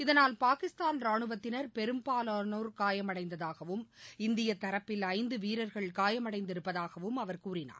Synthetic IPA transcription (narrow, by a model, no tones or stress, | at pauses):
ɪðɐnaːlpaːkɪst̪aːnɾaːɳɯʋɐt̪ːɪnɐɾpɛɾɯmpaːlɐnoːɾkaːjɐmɐɽɐɪnd̪ɐðaːɣɐʋɯmɪnd̪ɪjɐt̪ːɐɾɐpːɪlɐɪnd̪ɯʋiːɾɐɾɣɐɭkaːjɐmɐɽɐɪnd̪ɪɾɯpːɐðaːɣɐʋɯmɐʋɐɾkuːrɪna̰ːɾ